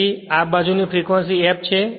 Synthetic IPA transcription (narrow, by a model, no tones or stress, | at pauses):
iap̚bad͡ʒunifʰɾikʋensiɛp̚t͡ʃʰe